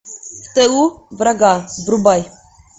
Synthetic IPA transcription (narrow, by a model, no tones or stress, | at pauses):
ft̪ɛuvɾaɡabɾubaj